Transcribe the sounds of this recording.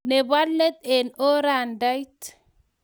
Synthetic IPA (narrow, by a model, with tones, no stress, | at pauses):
ne˨ba˦lːe˦t̪̚e˨no˦ɾa˨nda˦jt